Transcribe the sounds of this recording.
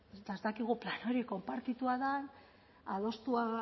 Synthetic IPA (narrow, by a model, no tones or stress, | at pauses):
t̪aezt̪akiɣ̞uplano̞ɾiko̞mpaɾt̪it̪uaðan | aðo̞st̪ua